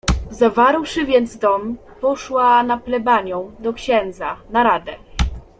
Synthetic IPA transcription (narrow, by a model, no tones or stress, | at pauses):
zavaɾwʂɘvʲjɛnd̪zd̪ɔm | pɔʂwanaplɛbaɲɔ̃w̃d̪ɔkɕɛnd̪zanaɾad̪ɛ